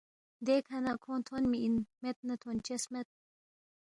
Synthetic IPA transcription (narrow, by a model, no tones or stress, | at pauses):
d̪ekʰɐnakʰõːt̪ʰonmiːnmet̪̚nɐt̪ʰont͡ɕesmet̪̚